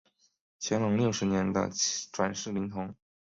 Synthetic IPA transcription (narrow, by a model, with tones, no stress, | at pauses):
t͡ɕʰjɛ˧˥nlʊ˧˥ŋljo˥˩ʊʂɻ̩˧˥njɛ˧˥nd̪ə̰˧ʈ͡ʂwa˨˩nʂɻ̩˥˩li˧˥ŋt̪ʰʊ˧˥ŋ